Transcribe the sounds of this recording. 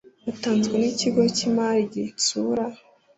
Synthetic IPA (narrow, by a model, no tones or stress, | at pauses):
utaːnzɡeniciɡo̞cimaːɾiɟisuɾa